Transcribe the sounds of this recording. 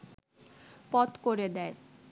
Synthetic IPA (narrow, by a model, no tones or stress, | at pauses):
pɔt̪koɾed̪ɛe